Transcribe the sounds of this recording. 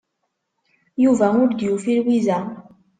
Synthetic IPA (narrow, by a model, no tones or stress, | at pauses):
juvæmuɾd̪ijufilwiza